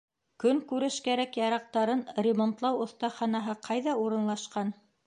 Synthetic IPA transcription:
kɵŋkʉɾɘʃkæɾækjɑɾɑq̚t̪ɑɾɤnrʲɪmont̪lˠɑwŏθt̪ɑχɑnɑɦɤqʰɑjðɑuɾɤ̆nlˠɑʃqɑn

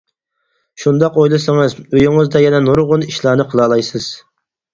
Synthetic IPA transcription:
ʃund̪ɑqojlˠɨsɨŋɨzøjyŋɨzd̪ɛjɛnɛnuɾʁʊniʃlˠɑːnɨqʰəlˠɑːlˠɑjsɨz̥

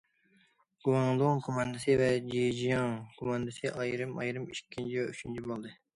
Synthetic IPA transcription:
ɡ̥uwɑŋlˠoŋkʰomɑnd̪ɨsɨvɛd͡ʒijd͡ʒijɑŋkʰomɑnd̪ɨsɨʔɑjɾɨmɑ̰jɾɨmikʲʰːint͡ʃʰivɛyt͡ʃʰynt͡ʃʰibolˠd̪ɨ

